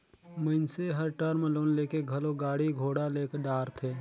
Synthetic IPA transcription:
məɪnseɦəɾʈəɾmẽloːnleːkeɡʱɐloɡaːɽiɡʱoːɽaleːkəɖaːɾt̪ʰeː

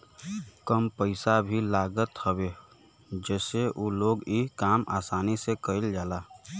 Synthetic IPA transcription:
kəmpəɪsabʱilaːɡət̪həweː | d͡ʒɛːseʔuːloːɡikaːmʔa̰ːsaːnisekəɪld͡ʒaːlaː

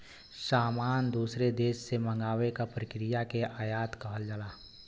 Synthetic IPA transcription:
saːmaːnd̪uːsɾed̪eːʃsemɐ̃ŋɡaːʋekapɾəkɾɪjakeʔaːjaːt̪kɐɦəld͡ʒalaː

